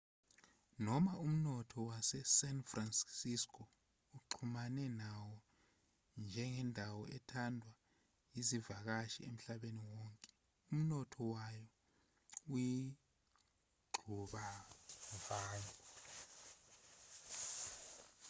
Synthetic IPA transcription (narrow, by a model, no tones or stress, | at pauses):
nɔmaum̩nɔtʰɔwasɛsɛnfranssiskʰɔ | uǃʰumanɛnawɔ | nd͡ʒʱɛŋɛndʱawɔɛtʰandʱwa | jizivak̬aʃḭem̩ɬaɓeniwɔːŋkʼɛ | um̩nɔtʰɔwajɔ | wi | ɡ͡ǃʱuɓa | vaːŋʱɔ